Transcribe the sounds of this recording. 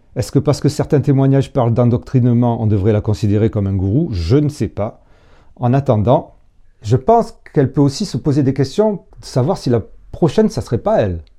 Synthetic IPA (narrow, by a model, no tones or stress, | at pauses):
ɛskəpaʁsə̥kəsɛʁt̪ɛ̃t̪emwaɲaʒpaʁld̪ɑ̃d̪ɔk̚t̪χinmɑ̃ʔɔ̰̃d̪əvʁɛlakɔ̃sid̪eʁekɔmɛ̃ɡuʁuʒənəsɛpa | ɑ̃nat̪ɑ̃d̪ɑ̃ | ʒəpɑ̃skɛlpøosisəpozed̪ekʲɛst̪jɔ̃d̪əsavwaʁsilapχɔʃɛnsasəʁɛpaɛl